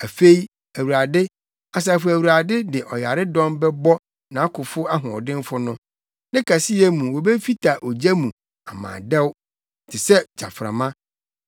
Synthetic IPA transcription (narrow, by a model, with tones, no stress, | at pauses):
æ˨fe˦i˦ | æ˨wu˨ɾa˨dɪ˦ | a˨s̬a˨fʊ˨æ˨wu˨ɾa˨dɪ˦dɪ˨ʔɔ˨ja˨ɾɪ˦dɔ̃˦mbɛ˦bɔ˦ | nã˨a˦kʰʊ˨fʊ˦a˦ɦʊ̃˨ɔ˨dɪ̃˦n˦fʊ˦nʊ̃˦ | nɪ̃˦kʰa˨sɪ˦ɛ˦mũ˨wɔ˨bɛ˦fi˦tʰa˨ʔo˨d͡ʑæ˦mũ˨ | a˨mã̰ː˨dɛ˦w | n˨tʰɪ˨sɛ˦d͡ʑa̰˨fɾa̰˨mã˦